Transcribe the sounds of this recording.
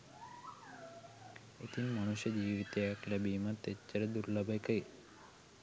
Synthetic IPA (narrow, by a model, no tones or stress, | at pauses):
et̪ʰinmaɽ̃uʃjəd͡ʑiʋit̪eakljabiːmat̪eːəɾed̪uɾlabajkəj